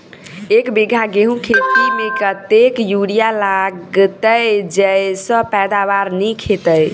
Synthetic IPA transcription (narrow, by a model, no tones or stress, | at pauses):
ekbiɡʱaɡeɦũkʰet̪imekət̪ekjuɽijalaɡt̪əjd͡ʒəjsə̃pɛd̪aβaɾnikʰet̪əj